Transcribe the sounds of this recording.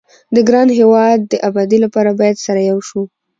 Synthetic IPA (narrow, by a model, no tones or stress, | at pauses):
d̪əɡɾɑnɦewɑd̪̚ːəʔabɑd̪ilapɑɾabɑjad̪saɾajawʃu